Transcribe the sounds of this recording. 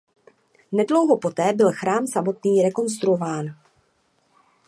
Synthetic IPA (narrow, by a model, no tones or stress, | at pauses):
nɛdlo̞wɦo̞po̞t̪ɛːbɪlxɾaːmsamo̞t̪niːɾɛko̞ns̬t̪ɾuovaːn